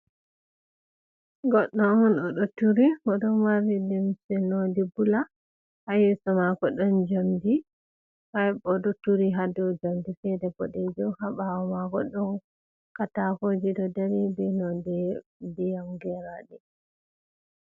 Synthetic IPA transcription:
ɡɔɗːɔɔnɔɗɔtuɾimɔɗɔmaɾidimsɛnodibula | hajɛsɔmakɔɗɔnd͡ʒamdi | hajbɔɗɔtuɾiɦadɔd͡ʒamdifɛdɛbɔɗɛd͡ʒɔwhabawɔmakɔɗɔn | katakod͡ʒidɔdaɾibɛnɔdɛdijamɡɛɾaɗi

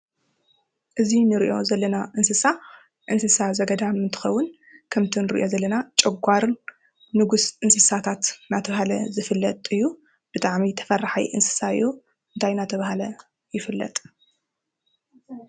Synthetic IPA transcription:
ʔɨzinɨɾḭʔo̞zɐlːɐnaʔɨnsɨsa | ʔɨnsɨsazɐɡɐd̪amɨnt̪ʰɨ̥xɐwːʊn | kʰɐmt̪ʰinɨɾḭʔozɐlːɐnat͡ʃʼɐɡʷaɾ | nɨɡusʔɨnsɨsat̪ʰat̪nat̪ʰɐβɦalɐ̰zɨfɨlːɐt̪ʼɨjːu | b̥ɨt̪ʼaʕmit̪ʰɐ̥fɐrːaħa̰jʔɨ̰nsɨ̥saɨ̰jːu | ɨnt̪ʰajnat̪ʰɐβahalɐ | jɪfɨlːɐ̰t̪ʼ

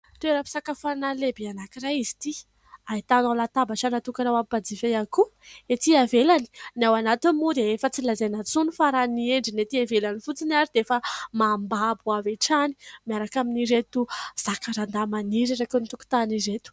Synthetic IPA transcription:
t̪eɾapi̥sakafanalebianakiraizi̥t̪i | ait̪analat̪abaʈ͡ʂanat̪ukaɾawapbad͡zivejakuet̪iavelani̥nawanat̪inmud̪eefət͡silazajnat͡sunufaɾanieɳɖ͡ʐinet̪iavelanifut͡sinaɾid̪efəmambabuaveʈ͡ʂani̥miaɾakaminiɾet̪uz̥akaɾand̪amaniɾiɾakunit̪uku̥t̪aniɾet̪u̥

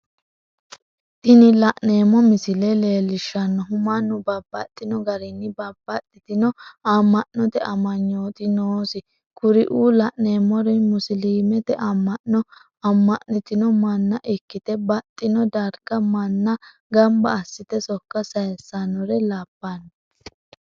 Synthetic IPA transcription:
t̪ɪnɪlɐʔne̞ːmːɔmɪsɪlɛleːlːɪʃːɐnːɔɦʊmanʊbɐbːɐ̰t̪ʼːɪnɔɡɐɾɪnːɪbɐbːɐt̪ʼːɪt̪ɪnɔamːɐʔnːɔt̪ɛʔɐmɐɲːoːt̪ʼɪnoːsɪ | kʊɾɪʔuːlɐʔneːmɔɾɛmʊsliːmɛt̪ɛʔɐmːɐʔnɔ | ɐmːɐʔnɪt̪ɪnɔmɐnːɐʔɪkːɪt̪ɛbɐt̪ʼːɪnɔd̪ɐɾɡɐmɐnːɐ | ɡɐmbɐːsːɪt̪ɛsɔkːɐsɐjɛsːanɔɾɛlaːpːanɔ

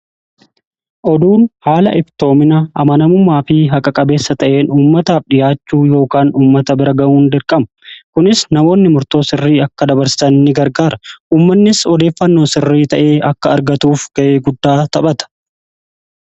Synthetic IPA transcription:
ʔɔd̪uːnhaːlɐ̰ʔɪbt̪o̞ːmɪnɐʔɐmɐnɐmʊmːaːfɪɦɐkʼɐkʼɐbe̞ːsːɐt̪ɐʔe̞ːnuːmːɐt̪aːfᶑɪjaːt͡ʃːuːjo̞ːkaːnuːmːɐt̪ɐbɪɾɐɡɐmuːnd̪ɪɾkʼɐmɐkʊnɪsnɐmo̞ːnːɪmʊɾt̪o̞ːsɪrːiːɐkːɐd̪ɐbɐɾsɪsɐnːɪɡɐɾɡaːɾɐʔuːmːɐnːɪsɔd̪e̞ːfːɐnːo̞ːsɪrːiːt̪ɐʔe̞ːʔɐkːɐːɾɡɐt̪uːfɡ̥ɐʔe̞ːɡʊd̪ːaːt̪ɐɓɐt̪ɐ̥

